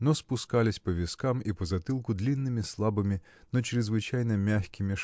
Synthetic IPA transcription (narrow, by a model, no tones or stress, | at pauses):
nɔspʊskalʲɪsʲpɐʋʲiskamipɐzɐt̪ɨlˠkʊd̪lʲinːɪmʲislˠabɨmʲɪ | nɔt͡ʃɾɪzʋɨt͡ʃajnɐmʲaxʲkʲɪmʲɪ